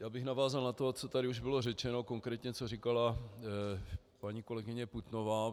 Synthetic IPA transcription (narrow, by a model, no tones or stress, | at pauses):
jaːbɪxnavaːzalnat̪o̞t͡so̞t̪aɾɪuʒbɪlo̞rɛt͡ʃɛno̞koŋkɾɛːt̪ɲɛt͡so̞rikala | paɲiːko̞lɛɡɪɲɛput̪no̞vaː